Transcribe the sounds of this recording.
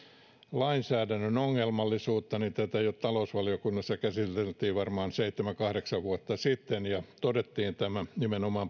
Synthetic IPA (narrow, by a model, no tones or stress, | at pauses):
lɑinsæːdænːønoŋːelmɑlːisuːt̪ːɑnint̪æt̪æjot̪t̪ɑlousʋɑliokunːɑsːɑkæsit̪elt̪iːʋʋɑrmɑːnseit̪ːemæŋkɑhɾeksɑʋʋuɑt̪ːɑsit̪ːenjɑt̪odet̪ːiːnt̪æmænimenomɑːm